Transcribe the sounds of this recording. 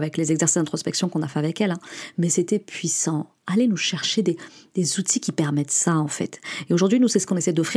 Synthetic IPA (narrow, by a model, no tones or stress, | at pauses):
vɛklezɛɡzɛʁsi̥sd̪ɛ̃t̪χɔspɛksjɔ̃kɔ̃nafɛavɛkɛlɛ̃mɛset̪ɛpɥisɑ̃ | alenuʃɛʁʃed̪ed̪̥ezut̪ʰikʲipɛʁmɛt̪saɑ̃fɛ̰t̪eoʒuʁd̪ɥinusɛsə̥kɔ̃nesɛjd̪ɔfχi